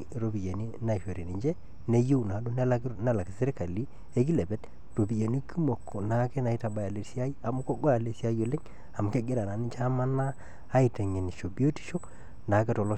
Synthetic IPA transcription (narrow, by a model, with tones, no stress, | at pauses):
ɾo˦bi˨je˨ni˦na˦˨fo˨ɾe˨ni˨ɲd͡ʒɛ˦ | ne˦ju˦˨na˨do˦n˦lne˦˨la˨kse˦ɾe˦ka˨li˦ | e˦ki˦lɛ˨bɛ˦t | ro˨bi˨je˨ni˦ki˦mo˨kːo˨na˨˦ke˦na˨i˦ta˨ba˨ja˨le˨si˦a˦ji˦a˨mu˦ko˦ɡɔ˦ja˨le˨si˦a˦jo˨le˦ŋ | a˨m˨ke˦ɡe˦ɾa˨na˨ni˦t͡ʃa˦ma˦naː˦ | i˨te˨ŋe˨n˨ʃo˨bi˦o˦ti̥˨ʃo˦ | na˨˦ke˦tɔ˨lɔ˦